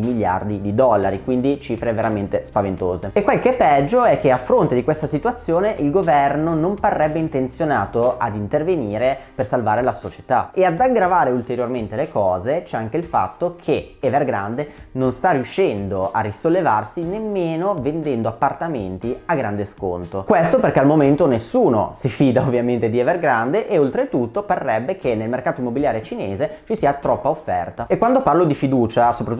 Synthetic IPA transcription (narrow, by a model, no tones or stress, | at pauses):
imilja̰rd̪id̪id̪ɔlːaɾikwind̪it͡ʃiːfɾeveɾament̪espavent̪o̰ːzeekːwelkepːɛd͡ʒːoɛkːeafːɾont̪ed̪ikwest̪asit̪wat̪sːjoːneʔilɡovɛrnonomparːɛbːeint̪ent̪sjonaːt̪oad̪int̪erveniːɾepersalvaːɾelasot͡ʃe̥t̪a̰ead̪aɡɾavaːɾeult̪eɾjorment̪elekɔːzet͡ʃɛaŋkeilfa̰t̪ːokʰeevɛrɡɾa̰nd̪enonst̪arjuʃːɛnd̪oʔarːisolːevarsinemːeːnovend̪ɛnd̪oapːart̪ament̪iaɡɾand̪esko̰nt̪okwest̪operkealmoment̪onesːuːno̰sifiːd̪aovːjament̪ed̪iɛverɡɾand̪eʔeolt̪ɾet̪ut̪ːoparːɛbːekʰenːelmerkaːt̪oimːobiljaːɾjet͡ʃineːzet͡ʃisiːat̪ɾɔpːaofːɛ̰rt̪aekːwand̪oparlod̪ifid̪uːt͡ʃasopɾat̪